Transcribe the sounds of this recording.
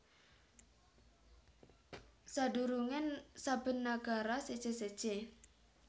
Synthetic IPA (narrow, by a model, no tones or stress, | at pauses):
saɖuɾuŋɛnsab̥ə̤nːaɡ̥a̤ɾased̥d͡ʒ̥esed̥ʒ̥e